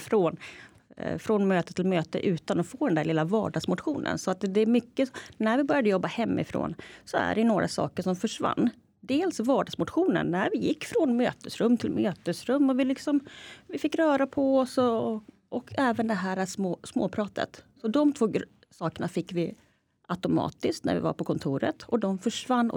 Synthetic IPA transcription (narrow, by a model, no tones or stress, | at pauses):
fɾon | fɾɔnmøːt̪ət̪ʰːɪlmøːt̪ə̰ʔʉ̟ːt̪anɔfoːd̪ɛnd̪æɭlɪlːavɑ̰ːɖɑɡsmʊt̪ɧuːnə̰nsɔat̪d̪ɛmʏkːənæɾvɪbœɾjad̪əjɔbːahɛmːɪ̰fɾo̰ːnsɔæ̰ɖɛjɵnoːɾʔa̰sɑ̰ːkəʂɔmfœʂva̰nː | d̪eːlsvɑːɖɑɡsmʊt̪ɧuːnə̰nːæɾvɪjɪkːfɾɔnmø̰ːt̪əsɾɵmːt̪ʰɪlmøːt̪əsɾɵmːɔvɪlɪksɔmvɪfɪkːɾœːɾapʰɔɔsɔ | ʔɔkʰɛːvənd̪ɛɦæːɾasmːsmoːpʰɾɑːt̪ʰə̰t̪sɔd̪ɔmt̪ʰvoː | sɑːkəɳafɪkːvɪ | ʔat̪ʊmɑ̰ːt̪ɪsk̪næ̰ɾvɪ̰va̰ɾpʰɔkʰɔnt̪ʰuːɾə̰t̪ʰɔd̪ɔmfœʂvanːɔ̰